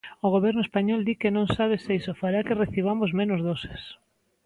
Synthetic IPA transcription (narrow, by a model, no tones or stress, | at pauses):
ʊɣ̞oβɛɾnʊespaɲɔld̪ikenõŋsaβ̞esejsofaɾakereθiβ̞amozmẽnʊzðose̥s